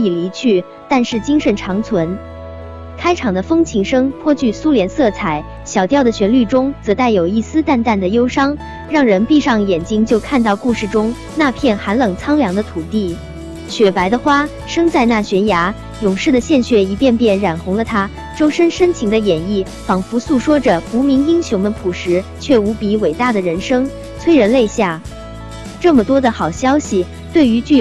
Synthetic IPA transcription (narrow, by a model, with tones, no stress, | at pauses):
i˨˩li˧˥t͡ɕʰy˥˩ | t̪a˥˧nʂɻ̩˥˩t͡ɕi˥ŋʂə˧˩nʈ͡ʂʰɑ˧˥ŋt͡sʰwə˧˥n | kʰa˥ɪʈ͡ʂʰɑ˨˩ŋd̪ə˦fɤ˥ŋt͡ɕʰi˧˥ŋʂɤ˥ŋpʰwɔ˥t͡ɕʰy˥˩su˥ljɛ˧˥nsɤ˥˩t͡sʰa˨˧˩ɪ | ɕjɑ˨˩ʊt̪jɑ˥˩ʊd̪ə˩ɕɥɛ˧˥nly˥˩ʈ͡ʂʊ˥ŋt͡sɤ˧˥t̪a˥˩ɪjo˨˩ʊi˥˩sɹ̩˥t̪a˥˧nt̪a˥˩nd̪ə˩jo˥ʊʂɑ˥ŋ | ɻɑ˥˩ŋɻə˧˥npi˥˧ʂɑ˥˩ŋjɛ˨˩nt͡ɕi˥ŋt͡ɕjo˥˧ʊkʰa˥˧nt̪ɑ˥˧ʊku˥˧ʂɻ̩˥˩ʈ͡ʂʊ˥ŋ | na˥˧pʰjɛ˥˩nxa˧˥nlɤ˨˩ŋt͡sʰɑ˥ŋljɑ˧˥ŋd̪ə˧t̪ʰu˨˩t̪i˥˩ | ɕɥɛ˨˩pa˧˥ɪd̪ə˧xwa˥ | ʂɤ˥ŋt͡sa˥˧ɪna˥˩ɕɥɛ˧˥nja˧˥ | jʊ˨˩ŋʂɻ̩˥˩d̪ə˩ɕjɛ˥˧nɕɥɛ˥˩i˧˥pjɛ˥˧npjɛ˥˩nɻa˨˩nxʊ˧˥ŋlə˧t̪ʰa˥ | ʈ͡ʂo˥ʊʂə˥nʂə˥nt͡ɕʰi˧˥ŋd̪ə˧jɛ˨˩ni˥˩ | fɑ˨˩ŋfu˧˥su˥˩ʂwɔ˥ʈ͡ʂə˨˩pu˧˥mi˧˥ŋi˥ŋɕjʊ˧˥ŋmə˧pʰu˨˩ʂɻ̩˧˥t͡ɕʰɥɛ˥˩u˧˥pi˧˥we˨˩ɪt̪a˥˩d̪ə˩ɻə˧˥nʂɤ˥ŋ | t͡sʰwe˥ɪɻə˧˥nle˥˧ɪɕja˥˩ | ʈ͡ʂɤ˥˩mə˩t̪wɔ˥d̪ə˨xɑ˨˩ʊɕjɑ˥ʊɕi˨ | t̪we˥˩ɪy˧˥t͡ɕy˥˩